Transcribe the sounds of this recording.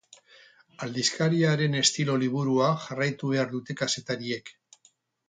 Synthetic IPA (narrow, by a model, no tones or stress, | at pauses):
ald̪iskaɾiaɾe̞ne̞st̪ilo̞liβ̞uɾuaʝarajt̪uβe̞aɾðut̪e̞kase̞t̪aɾie̞k